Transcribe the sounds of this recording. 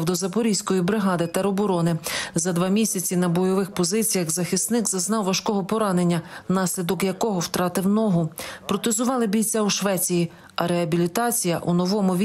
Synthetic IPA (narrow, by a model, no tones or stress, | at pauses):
wd̪ɔzɐpɔɾʲijsʲkɔjibɾɪɦɑd̪ɪt̪ɐɾɔbɔɾɔnɪzɐd̪ʋɑmʲisʲɐt͡sʲinɐbɔjɔʋɪxpɔzɪt͡sʲijɐxzɐxʲist̪nɪkzɐznɑwʋɐʃkɔɦɔpɔɾɑne̞nʲːɐnɑsʲlʲid̪ɔkjɐkɔɦɔwt̪ɾɑt̪ɪwnɔɦʊpɾɔt̪ezʊʋɑlˠɪbʲijt͡sʲauʃʋɛt͡sʲiji | ɐɾeɐbʲilʲit̪ɑt͡sʲijɐ̰ʔunɔʋɔmʊʋʲ